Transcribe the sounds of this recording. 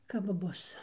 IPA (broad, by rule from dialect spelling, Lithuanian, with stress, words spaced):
kɐp ˈbʊs